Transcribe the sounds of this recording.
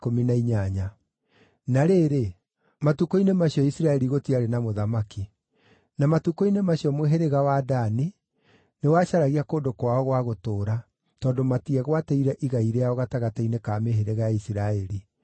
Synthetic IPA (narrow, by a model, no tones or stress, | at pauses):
kominaiɲaɲa | naɾeːɾe | matukoinemaɕiɔisiɾaɛɾiɣotiaɾenamoðamaki | namatukoinemaɕiɔmweɦeɾeɣawadani | newaɕaɾaɣiakoːndokwaɔɣwaɣotoːɾa | tɔːndomatiɛɣwatɛiɾɛʔiɣaiɾeaɔɣataɣatainekameɦeɾeɣaaisiɾaɛɾi